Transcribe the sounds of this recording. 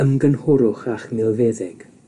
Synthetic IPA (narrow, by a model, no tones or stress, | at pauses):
əmɡənhʊɾʊχaχmɪlˠvɛðɪɡ̥